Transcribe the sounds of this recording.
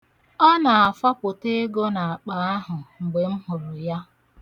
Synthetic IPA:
ɔ˦na˨a˨fa˦pʊ˨te˦ɡo˦na˨a˨k͡pa˨˦a˦ɦʊ˨ŋ͡m̩˨ɡ͡be˨m̩˦ɦʊ˨ɾʊ˨ja˦

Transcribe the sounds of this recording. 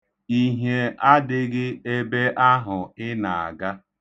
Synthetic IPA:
i˦ɦje˨ʔa˦dɪ˦ɡɪ˦e˦be˦ʔa˦ɦʊ˨ɪ˦na˨a̰˨ɡa˦

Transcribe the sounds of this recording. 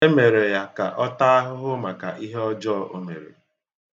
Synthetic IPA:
e˦me˨ɾe˨ja˦ka̰˨ʔɔ˦ta˦a˦ɦʊ˦ɦʊ˦ma˨ka̰˨ʔi˦ɦe˦ɔ˦d͡ʒɔ˦ʔo˦me˨ɾḛ˨

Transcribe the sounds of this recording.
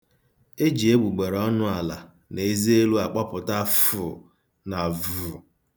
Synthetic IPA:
e˦d͡ʒi˨e˦ɡ͡bu˨ɡ͡be˨ɾɔ˦nʊ˦a˨la˨ | ne˨˦zi˦e˦lu˦a˨k͡pɔ˦pʊ˨ta˦fʊ˨ | na˨vʊ˨

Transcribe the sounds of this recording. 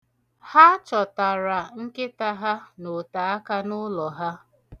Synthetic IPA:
ha˦t͡ʃɔ˨ta˨ɾa˨ŋ̩˦kɪ˦ta˦ɦa˦no˨ta˨a˦ka˦nʊ˦lɔ˨ɦa˦

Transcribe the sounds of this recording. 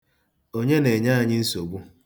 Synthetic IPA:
o˦ɲe˦ne˨ɲa˦a˨ɲɪ˦n̩˦so˨ɡ͡bu˦

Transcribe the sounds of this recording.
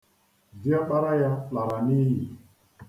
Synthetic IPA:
di˦a˦ɓa˦ɾa˦ja˦pa˨ɾa˨ni˦ji˨

